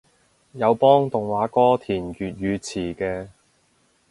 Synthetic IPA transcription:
jɐ˨˧wpɔː˥ŋt̪ʊ˨ŋwaː˨˥kɔː˥t̪ʰiː˨˩nkyː˨t̚jyː˨˧t͡sʰiː˨˩kɛː˧

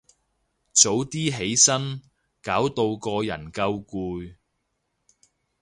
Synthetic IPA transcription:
t͡so˨˥wt̪iː˥ɦe˨˥jsɐ˥n | kaː˨˥wt̪o˧wkɔː˧jɐ̰˨˩nkɐ˧wkuː˧j

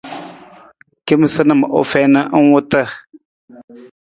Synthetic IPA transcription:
ki˦m˦sə˦nə˦˨mə˨ʔo̰˨fɛ˦nə˦ʔə˦wu˦tə˦˨

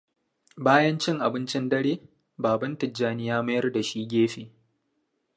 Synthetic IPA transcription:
baː˦jɐ˦nt͡ʃɪ˦ŋʔa˨bɪ˦nt͡ʃɪ˦ndɐ˦ɽeː˦ | baː˨bɐ˦ntɪ˨d͡ʒːaː˦nɪ˦jaː˦mɐ˦jɐ˦rda˨ʃiː˦ɡʲeː˦ɸeː˨

